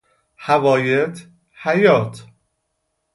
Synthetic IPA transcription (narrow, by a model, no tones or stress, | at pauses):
hævɒːjet̪ʰ | hæjɒːt̪ʰ